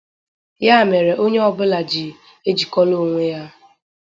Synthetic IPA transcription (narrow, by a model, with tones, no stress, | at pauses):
ja˦˨me˨ɾe˨ʔo˦ɲe˦ɔ˨bʊ˦la˨d͡ʒi˨ | e˦d͡ʒi˨kɔ˦lo˦˨ŋʷe˦ja˦